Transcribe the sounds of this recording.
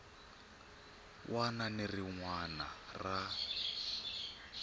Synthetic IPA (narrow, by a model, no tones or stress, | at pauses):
wʔananeriŋwanara